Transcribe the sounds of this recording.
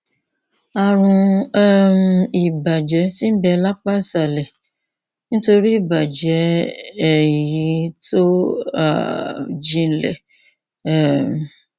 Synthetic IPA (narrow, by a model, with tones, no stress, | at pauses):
a˨ɾ̃ũ˧˦˨ | i˨ba˨d͡ʒɛ˨˦ti˦bɛ˧la˦k͡pa˦sa˨lɛ˨ | nĩ˦to˧ɾi˦i˦˨ba˨d͡ʒɛ˨˦˨ | ji˨˦to˦a̰˨d͡ʒĩ˧˦lɛ̰˨ | m˨